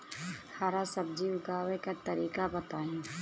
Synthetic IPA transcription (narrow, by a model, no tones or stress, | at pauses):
haːɾasəb̚d͡ʒiʊɡaːwekat̪ɐɾiːkabət̪aːĩː